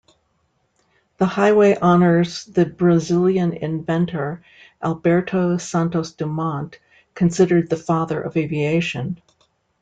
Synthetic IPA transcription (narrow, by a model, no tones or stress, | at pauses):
ðəhaɪweɪʔɑnə˞zðɨbɹɨzɪlˠjɨ̃nɪ̰̃ɱvɛ̃ntʰə˞ | ʔælˠbɛɹɾʰoʊsæ̃ntoʊsd̥ɨmɑ̃nt | kʰɨ̃nsɪɾə˞d̪̚ðɨfɑðə˞ʔʌ̰veɪvieɪʃɨ̃n